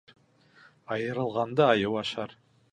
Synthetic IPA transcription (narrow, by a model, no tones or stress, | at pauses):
ɑjɯɾɯlˠʁɑnd̪ɯɑjɯwɑʃɑɾ